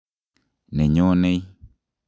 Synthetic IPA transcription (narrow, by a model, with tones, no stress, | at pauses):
nɛ̃˨ɲɔ̃˦nẽ˦i˦